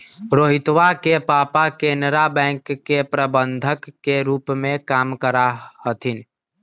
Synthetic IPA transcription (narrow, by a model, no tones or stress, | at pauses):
ɾoːɦɪt̪wakepaːpakeːnɾabɛ̃ːŋkːepɾəbə̃nd̪ʱəkːeɾuːpmẽkaːmkəɾahət̪ʰɪn